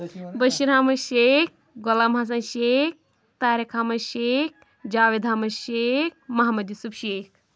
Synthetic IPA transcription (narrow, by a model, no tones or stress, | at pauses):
bɐʃiɾaːmɐʃek̚ | ɡɔlamɦas̬ãnʃek̚ | t̪aːɾekʰaːmɐʃek̚ | d͡ʒaːʋed̪ʱaːmɐʃek̚mɐɦamɐd̪jusupʃeːkʰ